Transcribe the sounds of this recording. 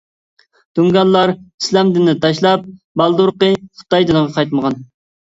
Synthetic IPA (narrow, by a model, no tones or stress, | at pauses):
d̪̥uŋɡɑlˠːɑɾi̥slɛmd̪ɪnːɪt̪ʰɑʃlˠɑp̚ | bɑlˠd̪uɾqəχə̥t̪ɑjd̪ɨnəʁɑqʰɑjt̪məʁɑn